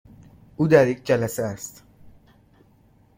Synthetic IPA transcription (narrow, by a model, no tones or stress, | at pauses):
uːd̪æɾjeːk̚ʰd͡ʒælæsææst̪